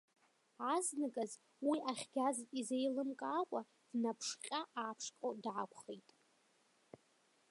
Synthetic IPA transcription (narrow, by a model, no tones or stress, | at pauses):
aznɨɡʼaz | wiʔaχʲɡʲazʼizejlɨmkʼaːkʷʼa | d̥napʰʂqʲʼaʔaːpʰʂqʼodʕakʷʰʼχejtʼ